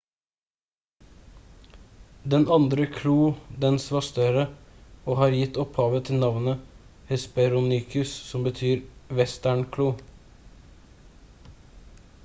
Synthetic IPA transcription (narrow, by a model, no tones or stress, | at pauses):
d̪ɛnɑnd̪ɾəkʰɽuːd̪ɛnsʋɑst̪œɾəoːhɑːɾjɪt̪ːɔphɑːʋət̪ʰɪlnɑʋnə | hɛspɛɾʊnykʰʉssɔmbət̪ʰyːɾʋɛst̪æɳkʰɽuː